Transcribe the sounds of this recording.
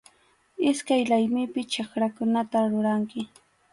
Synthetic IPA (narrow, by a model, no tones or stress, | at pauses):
ɪskajlajmɪpɪt͡ʃakɾakʊnat̪aɾʊɾaŋkɪ